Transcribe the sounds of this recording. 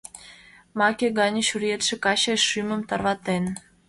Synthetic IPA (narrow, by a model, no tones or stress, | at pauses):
mɑkʲeɣɑnʲə̆ʃurjet̪ʃĕkɑɕɑʃymə̆mt̪ɑrβɑt̪en